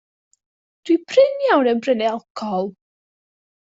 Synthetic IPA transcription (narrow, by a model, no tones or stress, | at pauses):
d̥wipʰrɪnjawnɛnbrɛnɛalˠkʰɔlˠ